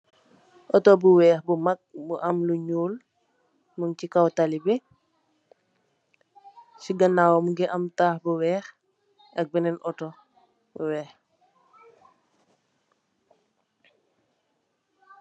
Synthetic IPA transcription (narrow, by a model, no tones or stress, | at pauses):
ʔɔtɔbuwɛːxbumak̚buʔamluɲuːl | muŋcikawtalibɛ | siɡɐnaːwomuɡɛʔamtaːhbuwɛːx | ʔɐk̚bɛnɛnʔɔto | buwɛːx